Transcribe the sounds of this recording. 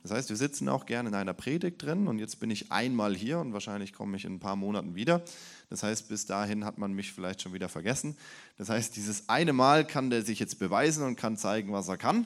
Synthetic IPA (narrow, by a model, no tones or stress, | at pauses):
d̥ashaɪstv̥iːɐzɪt͡sn̩a̰ʊxɡ̥ɛɐnɪnaɪnɐpʁ̥eːdɪk̚t̚d̥ʁɪnənʊntjɛt͡stb̥ɪnɪçʔa̰ɪnmaːlɦiːɐʊntvaːɐʃaɪnlɪçkʰɔ̰məɪçɪ̰nnpʰaːɐmoːnatn̩viːdɐd̥ashaɪst̚b̥ɪsd̥aːɦɪnɦatmanmɪçfɪlaɪçtʃoːnviːdɐfɛɐɡɛsn̩ | d̥ashaɪst̚d̥iːzəsʔaɪnəmaːlkʰandeːɐzɪçjɛt͡st̚b̥əvaɪzn̩ʊnt̚kʰant͡saɪɡŋ̩vaseːɐkʰan